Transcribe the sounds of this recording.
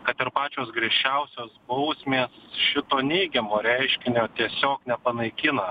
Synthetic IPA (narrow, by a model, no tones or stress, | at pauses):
kɐt̪ɪɾpɑːt͡ʃʲoːsɡɾʲɛʃʲt͡ʃʲɛʊsʲoːsbɐʊsʲmʲeːsʃʲɪt̪oːnʲɛɪɡʲɛmoːɾʲɛɪʃʲkʲɪnʲoːt̪ʲiɛsʲoːknʲɛpɐnɐɪkʲɪnɐ